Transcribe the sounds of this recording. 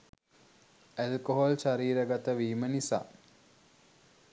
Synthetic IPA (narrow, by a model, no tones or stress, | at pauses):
ælkoɦolʃaɾiːɾəɡat̪əʋiːmənisa̰ː